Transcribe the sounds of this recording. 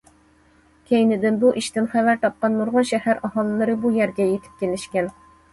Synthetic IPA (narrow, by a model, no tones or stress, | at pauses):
kʲʰejnɪd̪ɪnbuʔiʃt̪ɪnχævæɾt̪ʰɑp̚qɑnmuɾʁɑʃɛhæɾɑɦɑlˠɨlˠɨɾɨbujæɾɡʲɛjet̪ʰɪ̥p̚kʲelɪʃkʲɛn